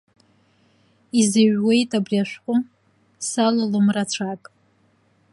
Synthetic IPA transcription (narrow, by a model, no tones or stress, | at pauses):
izaɥwe̞jtʼabriaʃᶣʷqʷʼʊ | salalomrat͡ɕʷʰakʼ